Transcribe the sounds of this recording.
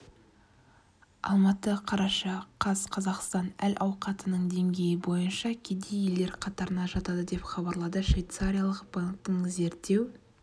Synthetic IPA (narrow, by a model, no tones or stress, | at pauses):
ɑ̰lˠmɑt̪əqʰɑɾɑʃɑqʰɑsqʰɑzɑqst̪ɑnælʔɑwqɑt̪ənəɴd̪e̞ŋɡʲe̞jɪbo̞jənʃɑkʲʰe̞d̪e̞je̞ld̪e̞ɾqʰɑt̪ɑɾənɑʒɑt̪ɑd̪əd̪e̞pχɑbɑɾlˠɑd̪əʃvejt̪saɾʲijalˠəqbaŋk̚t̪əɴze̞ɾt̪ːe̞w